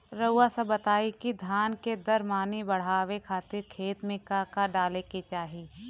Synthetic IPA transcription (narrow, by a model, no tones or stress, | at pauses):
ɾɐʊːasɐbɐt̪aːikid̪ʱjaːnked̪ɐɾmaːnibɐɽ̤aːʋekʰaːt̪ɪɾkʰeːt̪mẽkaːkaɖaːlekit͡ʃaːɦiː